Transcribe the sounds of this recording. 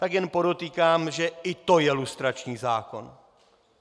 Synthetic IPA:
t̪aɡjɛnpo̞do̞t̪iːkaːmʒɛɪt̪o̞jɛlust̪ɾat͡ʃɲiːzaːko̞̰n

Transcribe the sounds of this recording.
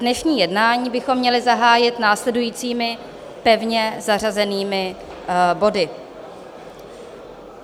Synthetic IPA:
nɛʃɲiːjɛdnaːɲiːbɪxo̞mːɲɛlɪzaɦaːjɪt̪naːslɛdujiːt͡siːmɪ | pɛvɲɛzar̝azɛniːmɪ | bo̞dɪ

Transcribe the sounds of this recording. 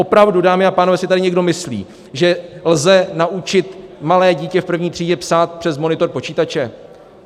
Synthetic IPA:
opɾavdudaːmɪapaːnovɛːsɪt̪adɪɲɛɡdo̞mɪslḭː | ʒɛlzɛnaʔut͡ʃɪt̪malɛːɟiːcɛfpr̩vɲiːt̪r̥iːɟɛpsaːt̪̚pr̝̥ɛzmo̞nɪt̪o̞ɾpo̞t͡ʃiːt̪at͡ʃɛ

